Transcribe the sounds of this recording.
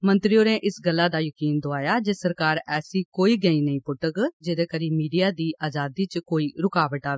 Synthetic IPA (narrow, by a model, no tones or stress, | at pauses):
mə̃nt̪ɾioːnẽːʔɪsɡəlːaːd̪aːjəkiːnd̪oaːjaːd͡ʒeːsəɾkaːɾɛːsiːkoːiːɡəĩːnəĩːpʊʈəkd͡ʒeːd̪eːkəɾiːmiːɖijaːd̪iːʔaːd͡ʒaːd̪iːt͡ʃkoːiːɾʊkaːʋəʈaːʋeː